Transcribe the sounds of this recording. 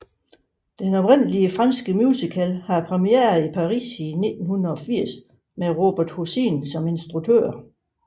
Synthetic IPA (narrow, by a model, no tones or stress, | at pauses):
d̥enɒ̽b̥ʁen̰əliəfʁɑ̈nsɡ̥əmjuːsikʰælhɑ̈pʰʁɛmiḛːɐð̩ˠipʰɑ̈ʁḭːsine̝d̥n̩hunðɐɒ̽fiɐ̰s | meʁo̝ːb̥æɐd̥husḭnsɒ̽me̝nsd̥ʁut͡sʰø̰ɐ̰